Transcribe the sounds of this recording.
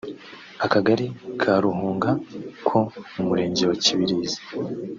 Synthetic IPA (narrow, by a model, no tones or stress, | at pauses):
akaɡaɾikʰaɾuhuːŋɡakʰo̞umuɾe̞ːɲɟewaciβiɾiːzi̥